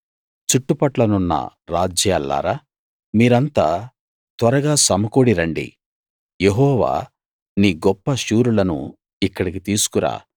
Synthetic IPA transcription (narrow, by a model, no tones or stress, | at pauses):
t͡ʃuʈːupɐʈlɐnunːɐ̰ɾa̰ːd͡ʒjaːlːa̰ːɾaː | miːɾɐnt̪aː | t̪ʋɐɾɐɡaːsɐmɐkoːɽiɾɐɳɖḭ | jeɦɔːʋa̰ː | niːɡɔpːɐʃuːɾulɐnṵ | ikːɐɽik̬it̪iːsu̥kuɾa̰ː